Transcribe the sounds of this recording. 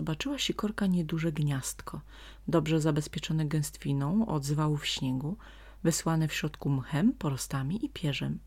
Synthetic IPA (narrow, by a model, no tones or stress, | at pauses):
ɔbat͡ʂɘwaɕɛkɔɾkaɲɛd̪uʐɛɡɲast̪kʰɔ | d̪ɔbʐɛzabɛspʲjɛt͡ʂɔnɛɡɛ̃w̃st̪fʲinɔ̃w̃ɔ̰d̪zvawufɕɲɛɡu | vɘswanɛfɕɾɔt̪kumxɛmpɔɾɔst̪amʲiʔipʲjɛʐɛm